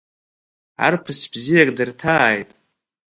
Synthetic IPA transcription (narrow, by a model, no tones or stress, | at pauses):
a̰rpʰɨsbzijakʼdɨrtʰaːjtʼ